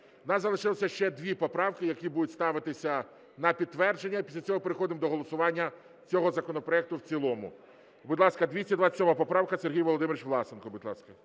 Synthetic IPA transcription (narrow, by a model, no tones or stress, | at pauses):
nɑzɐlˠɪʃɪlˠɔsʲɐʃt͡ʃɛd̪ʋʲipɔpɾɑwkɪjɐkʲibud̪ʊtʲst̪ɑʋɪt̪ɪsʲɐ | nɐpʲid̪̚t̪ːʋɛrd͡ʒenʲːɐpʲisʲlʲɐt͡sʲɔɦɔpeɾɪxɔd̪ɪmd̪ɔɦɔlˠɔsʊʋɑnʲːɐ | t͡sʲɔɦɔzɐkɔnɔpɾɔɛk̚t̪ʊwt͡sʲilˠɔmʊ̰ | bʊd̪ʲlˠɑskɐd̪ʲʋʲisʲɐd̪ʋɑt͡sʲsʲɔmɑapɔpɾɑwkɐserɦijʋɔlˠɔd̪ɪmeɾɪt͡ʃʋlˠɑsenkɔbʊd̪ʲlˠɑskɐ